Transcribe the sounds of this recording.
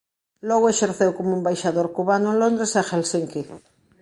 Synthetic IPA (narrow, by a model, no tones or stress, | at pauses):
lɔɣʊeʃeɾθewkomũmbajʃaðoɾkuβanʊelond̪ɾesaxelsiŋki